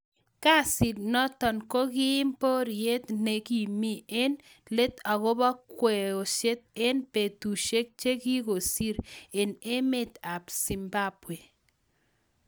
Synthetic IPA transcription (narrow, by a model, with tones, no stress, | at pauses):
ka˦sɪ˨tnɔ˦t̪ɔ˨nko˦ɡɪ˦ɪ˦mpo˦ɾɪje˦t̪ne˨ɡi˨mi˦e˦n | le˦t̪a˨ɡo˦ba˦kwɛ˨o˨ʃe˦t̪̚e˦npe˨t̪u˨ʃe˦k̚t͡ʃe˦ki˦ko˨si˦ɾe˨ne˦mɪ˦t̪a˨psi˨mba˦pwe˨